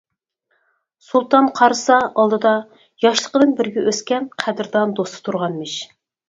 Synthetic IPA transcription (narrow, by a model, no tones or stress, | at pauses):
sulˠt̪ɑnqʰɑɾsɑʔɑlˠd̪ɨd̪ɑ | jɑʃlˠəqəd̪ɨnbɪɾɡʲɛʔøskʲɛnqʰæd̪ɾd̪ɑnd̪ost̪ɨ̥t̪ʰuɾʁɑnmɪʃ